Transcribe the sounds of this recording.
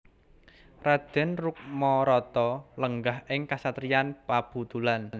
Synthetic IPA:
rad̪̥ɛ̤nruk̚mɔɾɔt̪ɔləŋɡahɪŋkasat̪ɾianpab̥ṳt̪ulann

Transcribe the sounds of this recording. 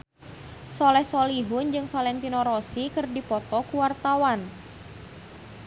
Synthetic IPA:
sɔlɛhsɔliɦʊnd͡ʒɨŋfalɛnt̪inoɾɔsikɨrdipɔt̪ɔkuwart̪awan

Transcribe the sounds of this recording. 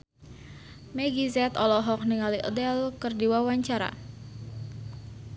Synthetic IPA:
mɛɡizɛt̪ɔlɔɦɔk̚niŋaliʔədɛlkərdiwawaɲt͡ʃaɾa̰

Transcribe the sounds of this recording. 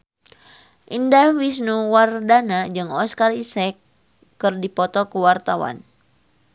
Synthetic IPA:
ʔindawis̬nuwardanad͡ʒɨŋɔskarisɛkː | ɨrdipɔt̪ɔkuwart̪awa̰n

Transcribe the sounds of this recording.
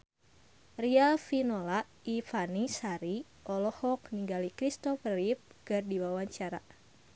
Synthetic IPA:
rialfinɔlaʔifanisaɾi | ʔɔlɔhɔkniŋɡalikɾist̪ɔfərip̚ɡɨrdiwawaɲt͡ʃaɾa̰

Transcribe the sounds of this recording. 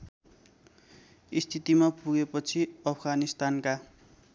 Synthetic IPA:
ist̪ʰit̪imapuɡepʌt͡sʰiʌpʰʌɡanist̪anka

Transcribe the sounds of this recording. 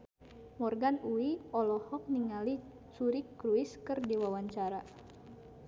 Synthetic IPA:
mɔrɡanuiɔlɔhɔk̚niŋali | t͡ʃuɾikɾuiskɨrdiwawaɲt͡ʃaɾa

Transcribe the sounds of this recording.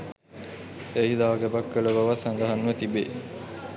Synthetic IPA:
eid̪aːɡebɐkːələʋaʋasaŋɡəɦanːʋət̪ibe

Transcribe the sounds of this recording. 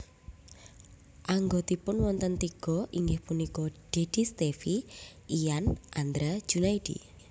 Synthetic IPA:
ʔaŋɡot̪ipʊnwɔnt̪ənt̪iɡ̥ɔʔiŋɡɪhpunikɔɖ̥e̤d̥i̤st̪efiijanʔand̪ɾḁd͡ʒ̥unaid̥ḭ

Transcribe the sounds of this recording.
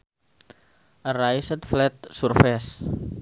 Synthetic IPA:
ʔəraisət̪flɛt̪̚surfɛs

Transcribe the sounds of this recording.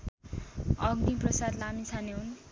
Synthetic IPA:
ʌɡniprʌsad̪lamit͡sʰaneɦun

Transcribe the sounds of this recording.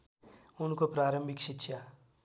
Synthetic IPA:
ʊnkopɾaːɾə̃mbʱɪkʃɪtːʃʰja

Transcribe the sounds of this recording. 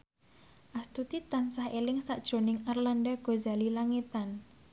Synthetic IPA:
ʔast̪ut̪it̪ansahelɪŋsaʔd̥ʒ̥o̤nɪŋarlanɖaɡ̥ozalilaŋit̪an

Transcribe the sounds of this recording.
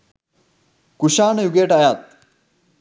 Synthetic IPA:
kuɕaːɳjuɡeʈajat̪̚

